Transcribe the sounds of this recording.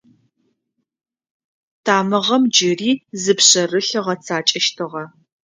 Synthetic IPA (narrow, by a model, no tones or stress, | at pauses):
tʰaːmɨʁɐmd͡ʒɪriːzɨpɕɐrɨɬɐʁɐt͡sʰaːt͡ʃʼɐʃtʰɨʁɐ